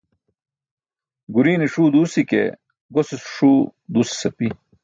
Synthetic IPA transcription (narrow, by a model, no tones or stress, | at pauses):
ɡuɾiːneʂuːd̪uːsikḛ | ɡosisu̥ʂuːd̪uːsi̥sɐpi